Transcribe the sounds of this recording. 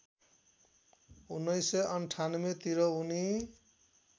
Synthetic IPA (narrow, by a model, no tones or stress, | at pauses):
unːʌjsʌʌnʈʰanʌmet̪iɾʌuni